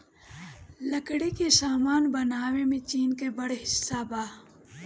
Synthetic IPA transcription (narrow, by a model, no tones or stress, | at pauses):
lɐkɽekesaːmaːnbɐnaːwemẽt͡ʃiːnkebɐɽeɦɪsːaːbaː